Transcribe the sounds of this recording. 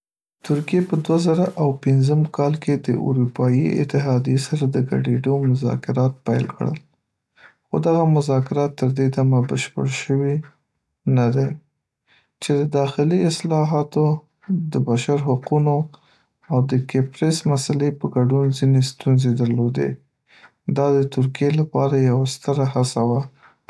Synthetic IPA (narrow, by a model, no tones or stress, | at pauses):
t̪ʊɾkijepəd̪wazaɾaʔawpɪnzəmkɑlkʰed̪əʔṵɾupɑjiɪ̰t̪ɪɦɑd̪ijesaɾad̪əɡa̰ɖeɖomʊzɑ̰kɪɾɑt̪̚pajlkɽə̰l | xod̪aɣamʊzɑkɪɾɑt̪ːəɾd̪ed̪amabəʃpə̰ɽʃəwi | nad̪e | t͡ʃed̪əd̪ɑxɪliɪslɑɦɑt̪o | d̪əbaʃaɾɦaquno | awd̪əkepɾesmasalepəɡaɖunzinest̪unzed̪əɾlod̪ḛ | d̪ɑd̪ət̪ʊɾkijelapɑɾajawast̪əɾahasawa